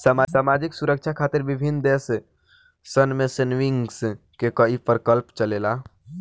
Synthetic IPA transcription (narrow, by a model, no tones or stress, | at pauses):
samasamad͡ʒiksuɾək̚t͡ʃʰakʰat̪iɾbibʱind̪es | sənmesənʋiŋɡs | kekəipəɾkəlpt͡ʃəlela